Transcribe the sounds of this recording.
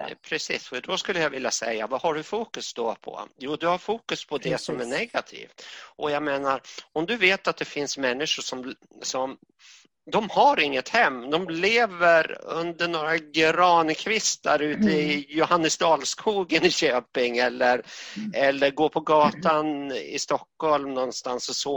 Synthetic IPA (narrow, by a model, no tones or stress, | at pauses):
pʰɾɛsḭːsɔd̪ɔskɵlːəjavɪljasɛ̰jːa̰vahaɖɵfuːkɵsd̪ɔpʰɔ̰juːd̪ɵhaɾfuːkɵspʰɔd̪ɛsɔmæɳɛɡat̪ʰḭːft̪ʔɔjaɡmeːnaɾɔmd̪ɵveːt̪at̪̚d̪ɛfɪnsmɛnːɪʂʊʂɔm | sɔm | d̪ɔmhaɾɪŋːət̪hɛmːd̪ɔmleːvəɾɵ̰nd̪əɳoːɾaɡɾɑːnkʰvɪst̪ə̰ɾʉ̟ːt̪əɪjʊhanːəsd̪ɑːlskʰuːɡənɪɕøːpɪŋɛlːəɾɛlːəɾɡoːpʰɔɡɑːt̪anɪ̰st̪ɔkːhɔlmnɔnːst̪ansɔsɔ